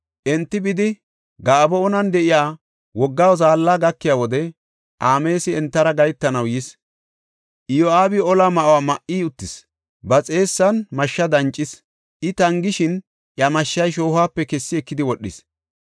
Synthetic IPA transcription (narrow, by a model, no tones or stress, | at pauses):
ʔɛnt̪ːɪbɪd̪ɪ | ɡaːbɔɔnɐnd̪ɛʔɪjaː | wɔɡːaːwzaːlːaːɡɐkːɪjaːwɔd̪ɛ | ʔaːme̞ːsɪɛnt̪ːɐɾɐɡɐjt̪ːɐnɐwjɪs | ʔɪjɔaːbɪɔlaːmɐʔwaːmɐʔiːʊt̪ːɪs | bɐt͡sʼe̞ːsːɐnmɐʃːɐd̪ɐnt͡ʃʼːɪs | ʔɪt̪ɐŋɡɪʃɪn | ʔjɐmɐʃːɐjʃ̬oːhaːpːɛkɛsːɪɛkːɪd̪ɪwɔɗːɪ̰s